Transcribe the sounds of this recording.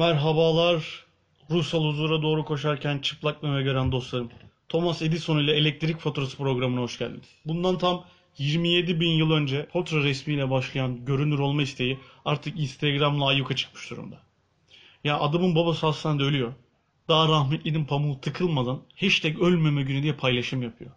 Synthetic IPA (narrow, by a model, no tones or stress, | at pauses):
mæɾɦabaːlˠaɾː | usalˠhuzuːɾad̪o̞ːɾukʰo̞ʃaɾcʰænt͡ʃʰɯ̥plˠak̚lˠɯvɛɟø̞ɾænd̪o̞slˠaɾɯnt̪ʰo̞mased̪iso̞nujlʲˠɛelʲɛc̚t̪ʰɾicfo̞t̪ʰuɾasɯ̥pɾo̞ɡɾamɯnaho̞ʃɟæ̰lʲmḛd̪ɪ̥bund̪ant̪ʰam | jiɾmije̞d̪ibinjɯlˠø̞nd͡ʒɛpʰo̞t̪ɾaɾɛsmiːlʲɛbaʃlˠajanɟø̞ɾynʲyɾo̞lˠmaist̪ʰe̞jiaɾt̪ʰɯkinst̪ʰeɡɾamlˠaːjukʰat͡ʃʰɯ̥k̚mɯ̥ʃd̪uɾṵmd̪a | jaʔad̪amɯnbabasɯasand̪ɛølʲyjo̞ | d̪̥aaɾahmɛt̪lʲininpʰamulˠt̪ʰɯkʰɯlˠmad̪anhit͡ʃt̪ʰɛcølʲmemɛɟynyd̪ijɛpʰajlˠaʃɯmjapʰɯjo̰